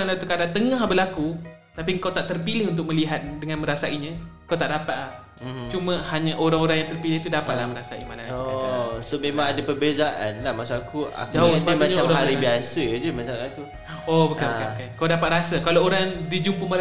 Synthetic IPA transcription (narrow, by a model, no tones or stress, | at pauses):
anlaut̪ukadaŋt̪əŋãɦbəlakut̪apiŋkawt̪aʔt̪ərpilɪhunt̪ʊk̚mə̃liɦat̪̚dəŋanmə̃ɾasaʔiɲãkawt̪aʔdapat̪̚lah | t͡ʃumə̃haɲaʔoɾaŋoɾaŋjaŋt̪ərpilɪht̪udapat̪̚lahmə̃ɾasaʔḭmanaɔasomemãŋadapərbezaʔanlahmasakua̰d͡ʒaɦosamaɲaaɦaɾibiasəd͡ʒəmat͡ʃaaku | ɔbəkanbanbəkankawdapat̪̚rasakalaoɾaŋdid͡ʒumpumə